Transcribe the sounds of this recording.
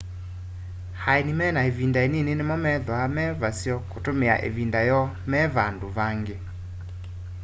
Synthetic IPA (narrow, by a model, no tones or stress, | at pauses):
haenimɛnaevindaenenenemɔmɛðɔamɛvasjɔkotomeaʔḛvindajɔ | mɛβandoβaŋɡe